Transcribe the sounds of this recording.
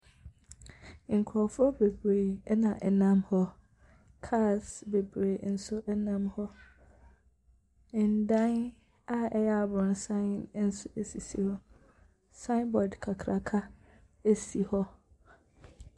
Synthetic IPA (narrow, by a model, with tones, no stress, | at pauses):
ŋ̩˨kʰɾɔ˨fʊ˦ɾɔ˦be˨bɾe˨˦nã˨ʔɛ˨nã˦mhɔ˦ | kʰa˦˨sbe˨bɾe˨n̩˦sʊ˦ʔɛ˦nã˦mhɔ˦˨ | n̩˨dã˦n | a˦ɛ˦jɛ˦a˨bʊ̃˨n˨sã˦˨nn̩˦sʊ˦e˨si˨sḭ˦hɔ˦ | sã˦ɪ˦nbɔ˨dkʰa˨kʰɾʔa˨kʰa˦ | e˦si˨hɔ˦